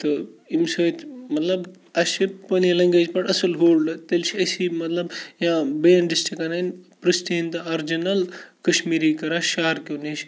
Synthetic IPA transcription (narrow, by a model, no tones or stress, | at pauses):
t̪ɨimsəːt̪ʰmɐt̪lɐb | ɐʃepɐnilɐŋɡeːd͡ʒpɐʈɐsɐlɦoːlɖɐt̪ɐlt͡ʃʰiɐsiːmɐt̪lɐbjãbeːɐnɖisʈɾikananpɾɐsʈint̪ɐaɾd͡ʒinɐlkɐʃmiːɾiːkɐɾaːʃaːɾkoniʃ